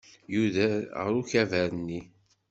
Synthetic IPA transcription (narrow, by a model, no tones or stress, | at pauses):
juðæʁə̰ɾuçævæɾənːi